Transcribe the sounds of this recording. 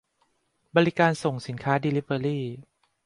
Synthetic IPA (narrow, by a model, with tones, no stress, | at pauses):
bɔː˧ɾi˦˥kaː˧nso˨˩ŋsi˨˩˦nkʰaː˦˥diː˧li˦˥p̚əː˧ɾiː˥˩